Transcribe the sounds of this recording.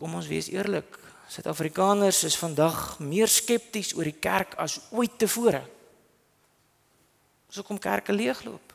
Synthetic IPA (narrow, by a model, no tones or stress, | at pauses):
kɔmɔnsvḭəsḭərlək | sœɥtɑːfrikɑːnərsəsfɐndɐχmiərskɛp̚tisuəɾikærkʰɐsuəjtːəfuəɾə̰ | suəkɔmkæ̰rkəliəχlṵəp